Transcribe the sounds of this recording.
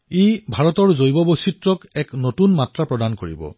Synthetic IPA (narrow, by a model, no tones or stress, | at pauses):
ejbʱaɹɔtɔɹzojbɔbositɹɔkɛknotunmatɹapɹɔdankoɹḭbɔ̰